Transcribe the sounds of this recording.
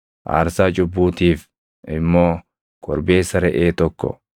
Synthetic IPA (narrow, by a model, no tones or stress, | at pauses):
ʔa̰ːɾsaːt͡ʃʼʊbːuːt̪iːf | ɪmːo̞ː | kɔɾbeːsɐɾɛʔeːt̪ɔkːɔ̰